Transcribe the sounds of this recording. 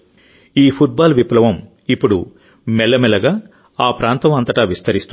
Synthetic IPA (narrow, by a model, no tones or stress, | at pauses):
iːpʰuʈ̚baːlʋiplɐʋɐm | ipːuɽu | mɛlːɐmɛlɐɡaː | aːpɾaːnt̪ɐmɐnt̪ɐʈaːʋist̪ʰɐɾist̪u